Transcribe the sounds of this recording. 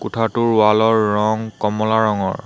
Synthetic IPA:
kutʰatʊɹwalɔɹːɔŋkɔmɔlaɹɔŋɔ̰ɹ

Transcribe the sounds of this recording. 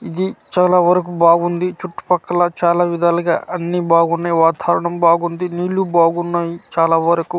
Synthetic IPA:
id̪it͡ʃaːlaːʋɐɾɐk̬ubaːɡund̪it͡ʃuʈːu̥pɐkːɐlɐt͡ʃaːlaːʋid̪aːlɐɡa̰ːɐnːibaːɡunːaːjiʋaːt̪ʰaːɾɐɳɐmbaːɡund̪iniːlːubaːɡunːaːjit͡ʃaːlaːʋɐɾɐku

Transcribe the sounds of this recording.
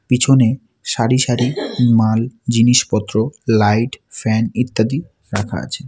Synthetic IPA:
pit͡ɕʰone | ʃaɾiʃaɾimald͡ʑiniʃpɔt̪ːɾolajʈfɛnit̪ːad̪i | ɾakʰa̰a̰t͡ɕʰe

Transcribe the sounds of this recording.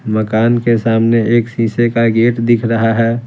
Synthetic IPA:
məkaːnkesaːmneeːksĩːsekaɡeːʈd̪ɪkʰɾəɦaɦɛː

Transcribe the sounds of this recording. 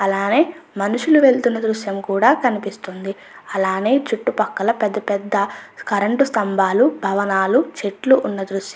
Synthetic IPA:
ɐlaːne̞ːmɐnuʂuluʋe̞ɭt̪unːɐd̪ɾuʃjɐmkuːɽaːkɐnipist̪ond̪i | ɐlaːne̞ːt͡ʃuʈːupɐkːɐlɐpɛd̪ːɐpɛd̪ːɐkɐɾɐɳʈust̪ɐmbʱaːlubʱɐʋɐnaːlut͡ʃeʈluʔːnːɐd̪ɾuʃjɐ

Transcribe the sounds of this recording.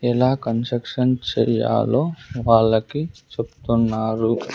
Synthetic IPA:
ɛlaːkɐnsɾɐkʂɐnt͡ʃɛ̰ːja̰ːloːʋaːɭːɐkit͡ʃebu̥t̪unːaːɾu

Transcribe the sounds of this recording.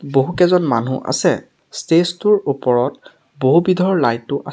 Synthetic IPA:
boɦukɛzɔnman̤ṵʔa̰sɛ | stestuɹupɔɹɔt̚ | boɦubidʱɔɹlajtːʊʔa

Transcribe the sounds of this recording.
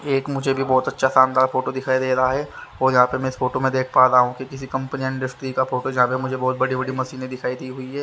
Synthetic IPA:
eːkmʊd͡ʒʱebʱibɔːt̪ɐtːʃʰasaːnd̪aːɾfoːʈod̪ɪkʰaːid̪eːɾɐaɦɛːoːjɐɦãːpemɛ̃ɪsfoːʈomẽd̪eːkʰpaːt̪aɦũkikɪsikɐ̃mpniəɪ̃ɳɖɐsʈɾikafoːʈojɐɦãːpemʊd͡ʒʱebɔːt̪̚bɐɽibɐɽimɐsiːnẽd̪ɪkʰaːid̪iɦʊiɦɛː

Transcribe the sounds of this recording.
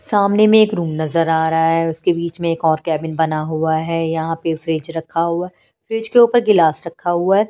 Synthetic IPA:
saːmnemẽːkɾuːmnɐzəɾaːɾɐɦaɦɛʊskebiːt͡ʃmẽeːkɔːɾkɛːbɪnbɐnaɦuaɦɛːjɐɦãpefɾeːd͡ʒɾɐkʰːaɦua | fɾeːd͡ʒkeuːpəɾɡɪlaːsɾɐkʰːaɦuaɦɛː

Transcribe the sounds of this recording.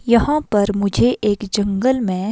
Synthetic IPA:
jɐɦãpɐɾmʊd͡ʒʱeʔeːkd͡ʒɐ̃ŋɡəlmẽ

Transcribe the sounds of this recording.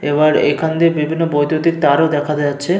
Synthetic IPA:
eβaɾḛkʰand̪eɾbibʱinːobojt̪jot̪ik̚t̪aɾod̪ɛkʰad̪ɛaːɕʰe

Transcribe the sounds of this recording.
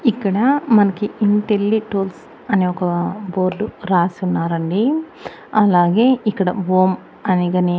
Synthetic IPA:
ikːɐɽɐmɐnɐkːiint̪elːiʈoːls | ɐniokːɐboːɾɖuɾaːsunːaːɾɐɳɖi | ɐlaːɡeːikːɐɽɐ̰ʋoːm | ɐniɡɐni

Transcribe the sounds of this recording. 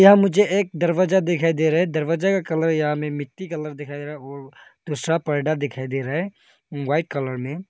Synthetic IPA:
jɐɦãmʊd͡ʒʱeʔeːk̚d̪əɾwad͡ʒad̪ɪkʰaːid̪eɾɐɦɛ̃d̪ɐɾwad͡ʒakakɐləɾjɐɦãmẽmɪt̪ːikələɾd̪ɪkʰaid̪eɾɦɛɔːɾd̪̥uːsɾapəɾɖad̪ɪkʰaːid̪eɾaɦɛ | waːɪʈ̚kələɾmẽ

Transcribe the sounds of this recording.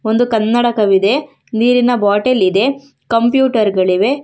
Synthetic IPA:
o̞nd̪ukɐnːɐɽɐkɐʋid̪e̞ | niːɾinɐbaːʈelid̪e̞ | kɐmpjuːʈɐɾɡɐɭiʋe̞

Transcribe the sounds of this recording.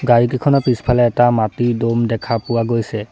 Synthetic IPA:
ɡaɹikikʰɔnɔpispʰalɛːtamatidomdɛkʰapʊwaɡojsɛ

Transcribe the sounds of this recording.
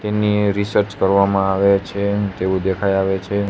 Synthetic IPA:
t̪eniɾisəɾt͡ʃkəɾʋamãaʋet͡ʃʰet̪eʋũd̪ekʰajaʋet͡ʃʰe

